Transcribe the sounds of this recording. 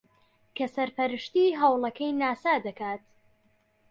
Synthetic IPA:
kʰɐsɐɾpɐɾɨʃt̪iɦawlˠɐkʰɐjnaːsaːd̪ɐkaːt̪

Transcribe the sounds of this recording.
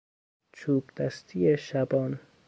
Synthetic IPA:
t͡ʃʰuːbd̪æst̪ʰieʃabɒːn

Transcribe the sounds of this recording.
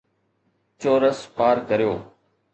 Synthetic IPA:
t͡ɕoːɾəspaːɾkəɾijoː

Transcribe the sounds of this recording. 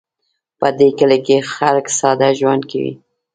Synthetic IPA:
pəd̪ekəlekexalksɑd̪aʒwand̪̚kawḭ

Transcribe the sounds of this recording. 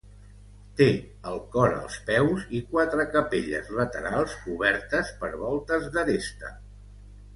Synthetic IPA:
t̪e | əlˠkɔɾə̰lˠspɛwzikwat̪ɾəkəpeʎə̰zlət̪əɾalˠsuβ̞ɛɾt̪əspəɾβɔlˠt̪əzðəɾest̪ə̰

